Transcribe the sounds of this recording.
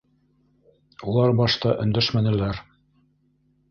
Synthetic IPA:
ulˠɑɾbɑʃt̪ɑʔɵ̆nd̪æʃmænɘ̆læɾ

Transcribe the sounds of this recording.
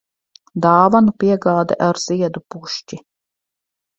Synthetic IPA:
d̪aːvanupiɛɡaːd̪ɛʔaɾz̥iɛd̪upuʃt͡ʃi

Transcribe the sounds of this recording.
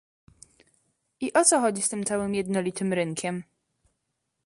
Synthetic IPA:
ʔiʔɔt̪sɔxɔd͡ʑist̪ɘmt̪sawɘmjɛd̪nɔlʲit̪ɘmɾɘŋkʲʰɛm

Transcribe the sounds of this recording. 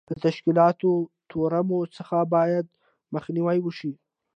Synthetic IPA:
d̪̥ət̪aʃkilɑt̪ot̪ʰoɾamosəxabɑjad̪̚ | məxniwajwəʃi

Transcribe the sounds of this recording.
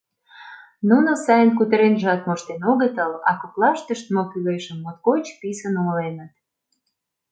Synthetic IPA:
nunosɑjənkut̪əɾenʒɑt̪̚moʃt̪enoɣət̪əlɑ̰koklɑʃt̪əʃt̪̚mokyleʃəmːot̪̚kot͡ɕpisənolenət̪

